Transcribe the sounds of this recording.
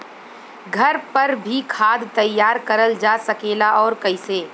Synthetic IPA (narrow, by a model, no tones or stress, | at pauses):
ɡʱɐɾpɐɾbʱikʰaːd̪t̪ɐjːaːɾkɐɾəld͡ʒasɐkeːlaʔɔːɾkɐiseː